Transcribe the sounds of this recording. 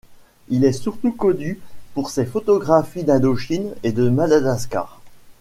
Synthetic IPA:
ilɛsyʁt̪ukɔnypuʁsɛfɔt̪ɔɡʁafid̪ad̪oʃined̪əmad̪ad̪aska̰ːʁ

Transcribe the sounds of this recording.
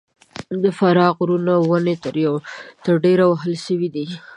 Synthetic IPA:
d̪əfaɾɑɣɾunawənet̪əɾjawt̪əɾɖeɾawaɦəlʃəwid̪i

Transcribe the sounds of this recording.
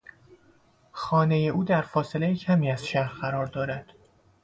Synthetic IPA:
xɒːne̞je̞ʔuːd̪æɾfɒːse̞le̞jecʰæmiːæzʃæɾɢæɾɒːɾd̪ɒːɾæd̪̥

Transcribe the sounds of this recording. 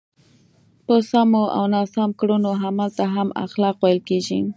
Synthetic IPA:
pəsamoʔa̰wnɑsɑmkɽunoɦamalt̪aɦama̰xlɑqwajəlkeʒḭ

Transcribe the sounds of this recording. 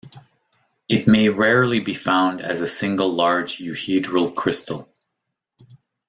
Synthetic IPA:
ɨt̚meɪɹɛɹlˠibifãʊ̃ndɨ̰zɨsɪ̃ŋɡl̩ˠlɑɹd͡ʒjʉhidɹəl̩ˠkʰɹ̥ɪstʰl̩ˠ

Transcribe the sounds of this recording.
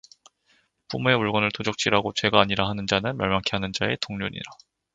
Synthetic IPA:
p͈umue̞uɭɡʌnɯɭtʰod͡ʑʌk̚t͡ɕ͈iɾaɡot͡ɕwe̞ɡaːɲiɾaɦanɯnd͡ʑanɯnmjʌɭmaŋkʰiɦanɯnd͡ʑae̞toŋɲoɲḭɾa

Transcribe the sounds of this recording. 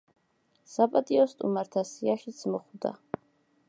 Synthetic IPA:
sapʼat̪ʼiɔst̪ʼṵmaɾt̪ʰasiaʃit̪sʰmɔχwd̪a̰

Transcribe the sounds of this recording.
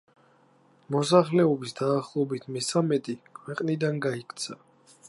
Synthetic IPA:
mɔs̬aχlɛɔbisd̪aːχlˠɔbit̪ʰmɛsamɛt̪ʼikʰwɛqʼnid̪anɡaikʰt̪sʰa

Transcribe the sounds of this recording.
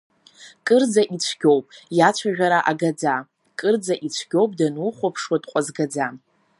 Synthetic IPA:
kʼɨrd͡zaʔit͡ɕʷʰɡʲo̞wpʼjat͡ʃʷʰaʒʲᶣaɾaʔaɡad͡za | kʼɨrd͡zaʔit͡ɕʷʰɡʲo̞wpʼdanuχʷapʰʂwadʼqʷʼazɡad͡za

